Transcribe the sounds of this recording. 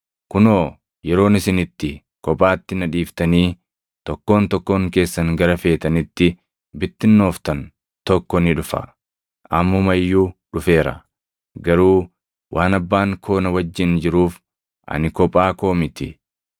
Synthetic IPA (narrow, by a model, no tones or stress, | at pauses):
kʊno̞ː | jɛɾo̞ːnɪsɪnɪt̪ːɪ | kɔpʼaːt̪ːɪnɐᶑiːft̪ɐniː | t̪ɔkːo̞ːnt̪ɔkːo̞ːŋke̞ːsːɐŋɡɐɾɐfe̞ːt̪ɐnɪt̪ːɪ | bɪt̪ːɪnːo̞ːft̪ɐn | t̪ɔkːɔnɪᶑʊfɐ̰ | ʔɐmːʊmɐjːuːᶑʊfe̞ːɾɐ̰ | ɡɐɾuː | wʔaːnɐbːaːŋkʰo̞ːnɐwɐd͡ʒːɪnd͡ʒɪɾuːf | ʔɐ̰nɪkɔpʼaːko̞ːmɪt̪ɪ̰